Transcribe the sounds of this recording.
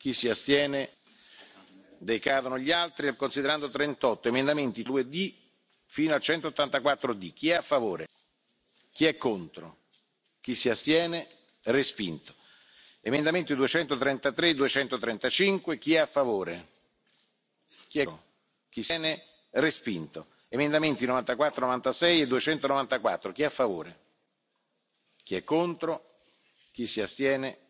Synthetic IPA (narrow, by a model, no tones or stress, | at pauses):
k̟isːiast̪jɛːne | d̪ekaːd̪onoʎialt̪ɾikonsid̪eɾand̪ot̪ɾent̪ɔt̪ːoemend̪ament̪id̪ued̪i | fiːnoalt͡ʃɛnt̪oot̪ːant̪akwat̪ːɾod̪ik̟ːiɛafːavoːɾe | k̟iɛkːont̪ɾo̰ | k̟isːiast̪jɛːne | respint̪o̥ | emend̪ament̪id̪uet͡ʃɛnt̪ot̪ɾɛnt̪at̪ɾed̪uet͡ʃɛnt̪ot̪ɾɛnt̪at͡ʃiŋkwek̟iɛafːavoːɾe | k̟iɛ | k̟isɛːne | respint̪o | emend̪ament̪inovant̪akwat̪ːɾonovant̪asɛjed̪uet͡ʃɛnt̪onovant̪akwat̪ːɾok̟iɛafːavoːɾe | k̟iɛkːont̪ɾo | k̟isːiast̪jɛːne